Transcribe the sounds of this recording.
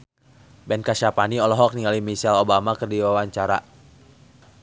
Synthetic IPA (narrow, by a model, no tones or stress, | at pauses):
bɛnkaʃapaniɔlɔɦɔk̚niŋalimisɛlobamakɨrdiwawaɲt͡ʃaɾa